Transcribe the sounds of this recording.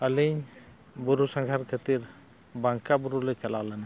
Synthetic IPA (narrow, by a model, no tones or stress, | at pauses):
əliɲ | buɾusaŋɡʱaɾkʰət̪iɾ | baŋkabuɾulɛt͡ʃalalana